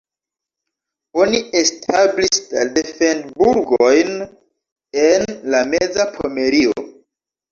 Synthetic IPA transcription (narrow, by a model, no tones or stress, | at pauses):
o̞niestʰablisdadefendbuɾɡojn | enlamed͡zapʰome̞ɾio̰